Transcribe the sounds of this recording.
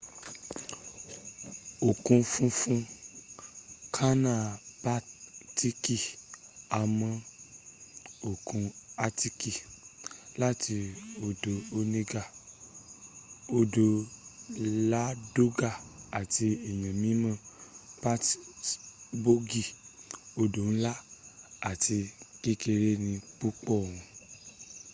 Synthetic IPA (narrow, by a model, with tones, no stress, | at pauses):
o˨kũ˧fũ˦˧fũ˦ | kʰa˦nã˨ba˦ti˦ki˦ | a˨mə̃˨ | o˨kũ˧a˦ti˦ki˨ | la˦ti˧o˧do˨o˧ne˦ɡa˦˨ | o˧do˧ | la˦do˦ɡa˦˨a˨ti˧ɛ˨j̃ã˨mĩ˨˦mã˦˨pa˦t | bo˦ɡi˦˨o˧do˨ñ̩˦la˦a˨ti˧ki˦ke˧ɾe˦nĩ˧k͡pu˦k͡pɔ˦˨wũ˧